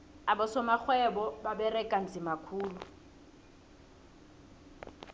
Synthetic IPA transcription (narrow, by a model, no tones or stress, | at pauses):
abɔsɔmak͡xʰwɛbɔbabɛrɛkʼan̩t͡sʼɪmakʰuːlu